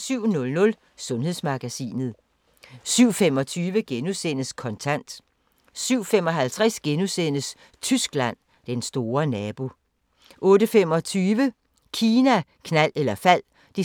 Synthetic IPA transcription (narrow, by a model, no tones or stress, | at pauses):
syʊ̰nɔ̽lnɔ̽l | sɔ̽nhe̝ðˠsmɑ̈ɡ̥æsḭːnð̞̩ˠ | syʊ̰femɒ̽t͡sʰyːʋəɡ̥enusen̰əskʰɒ̽nt͡sʰæn̰d̥ | syʊ̰femɒ̽ɦælt͡sʰʁɛsɡ̥enusen̰əs | t͡sʰysɡ̥læn̰ | d̥ensd̥o̝ːɐnɛːb̥o̝ | ʔɔ̽ːɾəfem̰ɒ̽t͡sʰyːʋə | kʰiːnækʰnæl̰elɐfæl̰ | d̥i